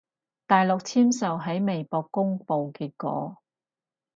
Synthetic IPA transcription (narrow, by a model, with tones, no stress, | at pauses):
t̪aː˨jlʊ˨k̚t͡sʰiː˥msɐ˨wɦɐ˨˥jme˨jpɔː˧kːʊ˥ŋpo˨wkiː˧t̚kɔ̰ː˨˧˥